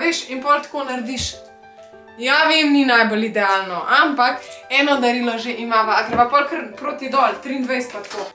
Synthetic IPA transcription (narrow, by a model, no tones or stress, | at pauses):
ʋeʃinpɔlt̪koːnaɾd̪iʃ | jaʋemninajbolid̪ɛaːlnɔʔampakɛːnɔd̪ɐɾilɔʒeʔimaːʋaakəɾʋapɔlkəɾpɾoːt̪id̪ɔlt̪ɾind̪ʋɛjst̪̚pat̪ko